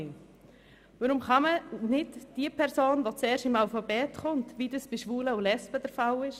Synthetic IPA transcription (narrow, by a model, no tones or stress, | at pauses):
ʋəɾʊmχɑmənɪdd̥iəpʰɛɾsoːnʋot͡sɛːɾʃɪmaʊfɑbɛːtχʊntʋidəsb̥ɪʃʋuːləʊlɛspəd̥əɾfawɪʃ